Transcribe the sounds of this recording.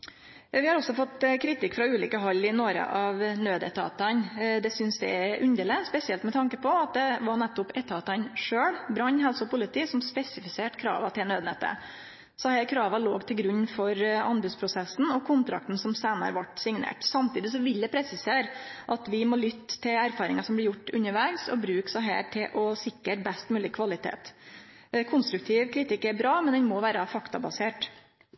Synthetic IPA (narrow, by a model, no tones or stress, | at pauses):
ʋɪhɑɾɔsɔfɔt̪ːkʰɾɪt̪ɪkːfɾɑʉːliːkəɦɑlːɪnoɾə̰ʔɑʋnøːd̪ɛ̰t̪ʰɑ̰ːt̪ɑnd̪ɛsʏnsd̪ɛ̰ɛʔʉnd̪eːlɪspɛsɪɛlt̪mɛt̪ʰɑŋkəpʰɔɑt̪̚d̪ɛʋɑɳɛt̪ːʊpɛt̪ʰɑːt̪ɑnʂøːɽbɾɑɲːɦɛlsʊpʊlɪt̪ʰiːsɔmspɛsɪfɪseːʈkʰɾɑ̰ːʋɑt̪ʰɪlnøːd̪nɛt̪ːə̰ | sɔhæːɾkʰɾɑːʋɑloːɡt̪ʰɪlɡɾʉɲːfɔɾɑnbʉspʰɾʊsɛsn̩ɔkʰʊnt̪ɾɑ̰k̚t̪n̩sɔmseːnɑ̰ɾəʋɑʈsɪŋnḛːʈsɑmt̪ʰiːd̪ɪsɔʋɪld̪ɛpʰɾɛsɪseːɾʔɑt̪ʋɪmɔlʏt̪ːt̪ʰːɪlæɾfɑːɾɪŋɑsɔmblɪɾjʊʈːʉnːəɾʋæːɡsɔ̰bɾʉːksɑɦæ̰ːʈʰɪlʔɔsɪkːəɾbɛst̪mʉːlɪkʰʋɑlɪt̪ʰḛːt̪ | kʰʊnst̪ɾʉk̚t̪ʰiːʋkʰɾɪt̪ɪkːæɾbɾɑːmɛnd̪ɛnmɔʋæːɾəfɑkt̪ɑbɑseːʈ